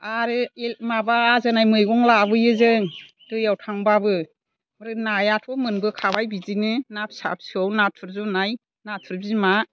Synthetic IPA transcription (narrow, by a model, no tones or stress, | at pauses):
aɾɯemabaːzɯnajmɯjɡɔŋlabɯjɯzɯŋ | dɯjawtʰaŋbabɯ | mɾɯnajatʰɔmɯnbɯkʰabajbizinɯnap̚sa̰p̚sɯawnatʰɯɾzɔnaj | natʰɯɾbzima